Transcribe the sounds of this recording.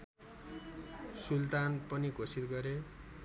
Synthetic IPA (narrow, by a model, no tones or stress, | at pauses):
sult̪anpʌnikosit̪ɡʌɾe